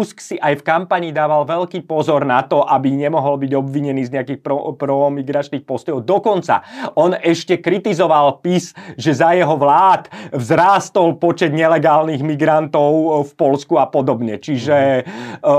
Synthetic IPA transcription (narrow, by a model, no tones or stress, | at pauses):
usksiʔajfkampaɲid̪aːʋalʋɛʎkiːpɔzɔɾnat̪ɔʔabiɲɛmɔɦɔlbiɟɔbʋiɲɛniːzɲɛakiːxpɔpɾɔmiɡɾat͡ʃniːxpɔst̪ɔjɔʊd̪ɔkɔnt͡sa̰ɔnɛʃcɛkɾit̪izɔʋalpisʒɛzajɛɦɔʋlaːt̪ʋzɾaːst̪ɔlpɔt͡ʃɛd̪ɲɛlɛɡaːlniɣmiɡɾant̪ɔʊfpɔlskuapɔd̪ɔbɲɛt͡ʃiʒɛ